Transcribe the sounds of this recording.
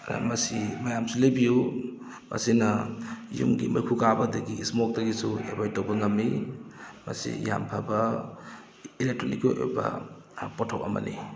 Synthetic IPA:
mɐsimɐjamsulajbiju | mɐ̰sinɐjṵŋɡimɐjkʰukabɐdɐɡiːsmok̚dɐɡisuebajtowbɐŋɐmːi | mɐ̰sḭja̰mpʰabɐ | ilek̚tɾonikoʔo̰bɐ̰ | potʰowʔɐmɐ̰ni

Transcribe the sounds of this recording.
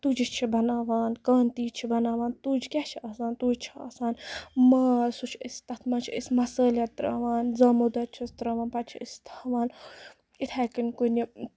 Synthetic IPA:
t̪ud͡ʒit͡ʃʰibɐnaːʋaːnkaːnt̪iːt͡ʃʰibɐnaːʋaːnt̪ud͡ʒkʲɛt͡ʃʰiasaːnt̪uːd͡ʒt͡ʃʰia̰ːsaːnmaːsut͡ʃʰist̪ɐt̪ʰmɐnt͡ʃʰiisʲmɐsəːlʲɐt̪ːɾɐ̰ːʋaːnzɐmud̪ɐt͡ʃʰist̪ɾɐːʋaːnpɐt͡ʃʰiist̪ʰɐʋaːn | it̪ʰɛkinkuni

